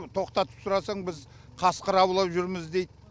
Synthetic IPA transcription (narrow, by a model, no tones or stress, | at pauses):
t̪ʰo̞qt̪ɑt̪ə̥psʊɾɑsɑɴbɪz | qʰɑsqəɾɑwlˠɑpʒʏɾmɪzd̪e̞jd̪